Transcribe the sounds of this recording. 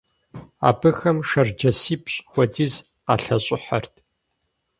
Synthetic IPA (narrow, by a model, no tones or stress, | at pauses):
a̰ːbɨxɐmʂɐrd͡ʒɐsiːpɕʼxʷɔdiːz | a̰ːɬɐɕʼɪħɐ̰rtʰ